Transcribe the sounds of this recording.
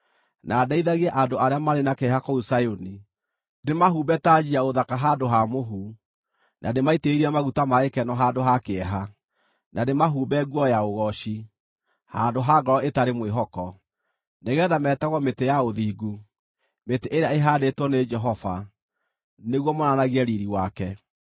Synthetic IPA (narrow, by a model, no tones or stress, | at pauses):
nʔaːdaiðaɣiɛʔandoaɾeamaɾenakeɛɦakɔusajoni | demaɦubɛtad͡ʑiaoðakaɦadoɦamoɦu | nʔa̰demaiteiɾiamaɣutamaekɛnɔɦadoɦakeɛɦa | nʔanemaɦuːbɛɡwɔjaoɣɔʃi | handoɦaɡɔɾɔetaɾemweɦɔkɔ | neɣɛðamɛːtaɣɔmetejaoðiːɡu | meteʔeɾeaeɦadetwɔned͡ʒɛɦɔfa̰ | neɣwɔmɔnanaɣiɛɾiɾiwakɛ